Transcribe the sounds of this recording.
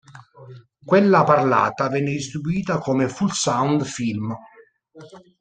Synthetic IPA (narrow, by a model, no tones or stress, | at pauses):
kwelːaparla̰ːt̪avɛːnːɪd̪ist̪ɾibuiːt̪akomefulsawnd̪film